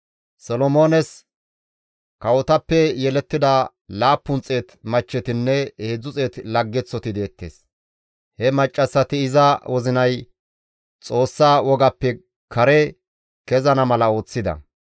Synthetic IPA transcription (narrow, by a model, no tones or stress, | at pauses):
sɔlɔmoːnɛs | kɐwɔt̪ɐpːɛjɛlɛt̪ːɪd̪ɐ | laːpːʊnt͡sʼe̞ːt̪mɐt͡ʃːɛt̪ɪnːɛheːd͡zːʊt͡sʼe̞ːt̪lɐɡːɛt͡sːɔt̪ɪd̪e̞ːt̪ːḛːs | hɛmɐt͡ʃʼːɐsːɐt̪ɪɪzɐwɔzɪnɐj | t͡sʼo̞ːsːaːwɔɡɐpːɛ | kɐɾɛ | kɛzɐnɐmɐlɐo̞ːt͡sːɪd̪ɐ̰